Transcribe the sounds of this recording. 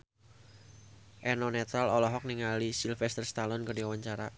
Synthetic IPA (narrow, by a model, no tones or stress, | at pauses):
ʔɛnɔnɛt̪ɾalɔlɔɦɔk̚niŋalisilfɛst̪ərst̪alɔnkərdiawaɲt͡ʃaɾa